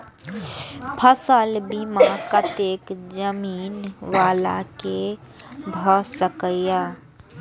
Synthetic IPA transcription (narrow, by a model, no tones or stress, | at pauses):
pʰəsəlbimakət̪ekd͡ʒəmiːnʋala̰ke | bʱɔsəkəja